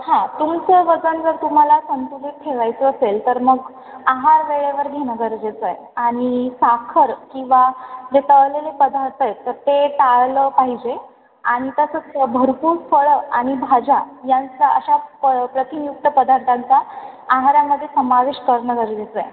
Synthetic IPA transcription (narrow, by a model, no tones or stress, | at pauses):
hãt̪umt͡səʋəd͡zənd͡zəɾt̪um̤alasənt̪uliːt̪̚ʈʰːeʋajt͡səːselt̪əɾməɡ | aɦaɾʋeɭeʋəɾɡʱenəɡəɾd͡ʑet͡səj | aɽ̃isakʰəɾkĩw̃ʋad͡zet̪əɭlelepəd̪ʱaɾt̪ʰəjt̪əɾt̪eʈaɭləpaɦid͡ʑe | aɽ̃it̪əsət͡səbʱəɾpuːɾfʰəɭəaɽ̃ibʱad͡ʑajant͡saə̰ɕapɾət̪injuk̚t̪əpəd̪ʱaɾt̪ʰant͡sa | aɦaɾaməd̪ʱːjesəmaʋeɕkəɾɳəɡəɾd͡ʑet͡səj